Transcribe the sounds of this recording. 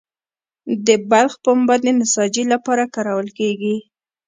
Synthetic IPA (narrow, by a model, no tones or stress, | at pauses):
d̪əbalxpəmʊbɑd̪d̪enɪsɑd͡ʒilapɑɾakɑɾawəlkeɡi